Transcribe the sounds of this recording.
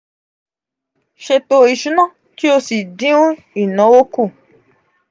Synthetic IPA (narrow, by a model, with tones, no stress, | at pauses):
ʃe˧to˧˨i˨ʃũ˨˦nã˦˨ | ti˦o˧si˨dĩ˨˦ũ˦ | i˨nã˨˦wo˦ku˦˨